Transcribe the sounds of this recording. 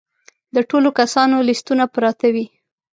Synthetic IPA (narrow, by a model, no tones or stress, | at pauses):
d̪əʈolokasɑnolɪst̪unapɾɑt̪awi